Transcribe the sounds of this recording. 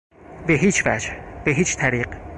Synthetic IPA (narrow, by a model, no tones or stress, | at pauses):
beɦiːt͡ʃʰvæ̰d͡ʒb̥eɦiːt͡ʃʰt̪ʰæɾiːq